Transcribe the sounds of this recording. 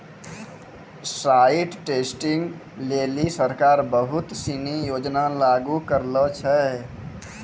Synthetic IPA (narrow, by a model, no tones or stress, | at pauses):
saːiʈʈeːsʈɪŋɡ | leːlisəɾkaːɾbəɦʊt̪sinijoːd͡ʒnalaːɡukəɾlət͡ʃʰɛ